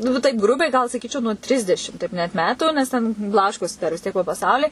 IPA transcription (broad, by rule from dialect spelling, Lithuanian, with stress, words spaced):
ˈnʊ ʋɐ tɐɪp ˈɡrʊbʲɛɪ ɡɐlˠ sɐˈkʲiːt͡ʃʲɛʊ nuɔ ˈtʲrʲɪzʲdʲɛʃʲɪm ˈtʲɛɪp nʲɛt ˈmʲæːtuː nʲɛs ˈtʲɛn ˈblˠɑːʃkoːsʲɪ dɐr ʋʲɪs ˈtʲiɛk poː pɐˈsɐʊlʲiː